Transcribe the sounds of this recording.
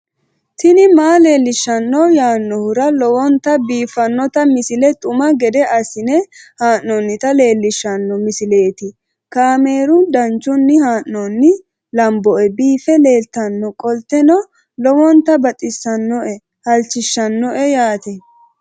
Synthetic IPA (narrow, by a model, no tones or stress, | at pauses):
t̪ɪnɪmaːle̞ːlːɪʃːɐnːɔjaːnːɔhʊɾɐlɔwɔnt̪ɐbiːfːɐnːɔt̪ɐmɪsɪlɛt̪ʼʊmɐɡɛd̪ɛʔɐsɪnɛhaːnnɔnːɪt̪ɐle̞ːlːɪʃːɐnːɔmɪsɪle̞ːt̪ɪ | kaːme̞ːɾʊnd̪ɐnt͡ʃːʊnːɪhaːʔnɔnːɪ | lɐmbɔʔɛbiːfɛle̞ːlt̪ɐnːɔkʼɔlt̪ɛnɔ | lɔwɔnt̪ɐbɐt̪ʼɪsːɐnːɔʔɛ | hɐlt͡ʃːɪʃːɐnːɔʔɛjaːt̪ɛ